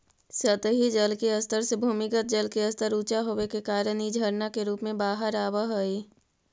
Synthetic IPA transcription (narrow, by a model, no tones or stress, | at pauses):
sət̪ɦid͡ʒəlkeəst̪əɾsebʱuːmɪkət̪̚d͡ʒəlkeəst̪əɾuːt͡ʃaɦoːʋekekaːɾənid͡ʒʱəɾnakeɾuːpmẽbaːɦəɾaːʋəɦoiː